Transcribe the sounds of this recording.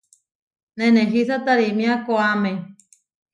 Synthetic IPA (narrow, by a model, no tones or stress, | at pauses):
neneɦisat̪aɾimĩakoame